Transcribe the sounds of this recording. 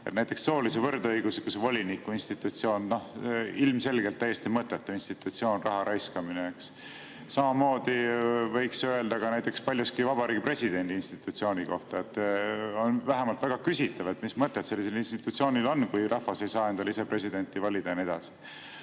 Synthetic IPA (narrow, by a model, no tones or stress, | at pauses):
ḛt̪næjt̪ːˑe̞ksːo̞ːlisevɤrd̪ɤjɡ̥usekusevo̞lʲinikːˑuinst̪it̪ˑut̪sio̞ːnno̞hilmse̞lɡ̥elt̪ːæjːe̞st̪imɤt̪ːˑet̪ːɑvinst̪it̪ːˑut̪sio̞ːnrɑɦɑɾʔɑjskɑmineeks | sɑmɑmo̞ːd̪̥ivɤ̞jksøe̞ld̪ɑɡ̥ɑnæjt̪ːˑe̞kspɑlʲjuskivɑbɑɾiːɡipre̞sid̪̥e̞nʲd̪iinst̪i̥t̪ːˑut̪sio̞ːnʲiko̞̰ht̪ɑet̪ːo̞nvæɦemɑlt̪væɡ̥ɑkysit̪ːˑɑve̞t̪mismɤt̪ːˑet̪se̞lːis̬e̞linst̪it̪ːˑut̪sio̞ːnʲilo̞nːkujrʔɑhvɑse̞jsɑːe̞nd̪ɑlise̞pre̞sid̪enʲt̪ivɑlʲid̪̥ɑnie̞d̪ɑsi̥